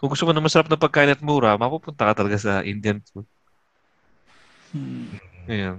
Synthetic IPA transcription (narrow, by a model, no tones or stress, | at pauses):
kʊŋɡʊst̪omonɐmɐsɐɾapnɐpɐɡ̚kaːʔɪnɐt̪̚muːɾɐmɐpupʊnt̪ɐkɐt̪ɐlɐɡasɐʔɪnd̪jɐnpu | ɐjan